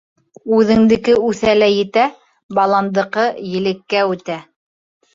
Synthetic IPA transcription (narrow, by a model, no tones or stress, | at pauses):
ʉðɘ̆ŋd̪ɘ̆kɘʉθælæjɘ̆t̪æ | bɑlˠɑnd̪ɤ̆qɤjɘ̆lɘ̆kːæʉt̪æ